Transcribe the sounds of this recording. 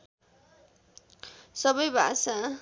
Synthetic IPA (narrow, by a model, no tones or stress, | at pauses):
sʌbʌjbʱa̰sa